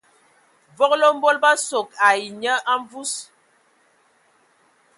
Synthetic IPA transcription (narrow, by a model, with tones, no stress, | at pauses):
vɔ˦klo˦m̩˦bo˦lba˦so˨ka˨i˨ɲə˦ʔa˦ɱ˦vu˦s